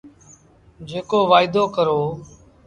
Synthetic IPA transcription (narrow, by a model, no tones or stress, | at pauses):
d͡ʒeːkoːʋaːɪd̪oːkəɾoː